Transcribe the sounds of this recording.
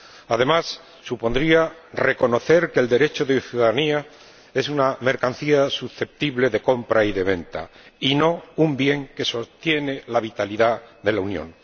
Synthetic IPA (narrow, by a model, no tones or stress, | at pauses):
aðe̞masː | upo̞nd̪ɾiare̞ko̞no̞θe̞ɾke̞ːld̪e̞ɾe̞t͡ʃoðeθjuðaðania | e̞suname̞ɾkanθiasusθe̞p̚t̪iβle̞ðe̞ko̞mpɾaiðe̞β̞e̞nt̪a̰ino̞umbje̞ŋke̞so̞st̪je̞ne̞laβit̪aliðaðe̞launjõ̰ŋ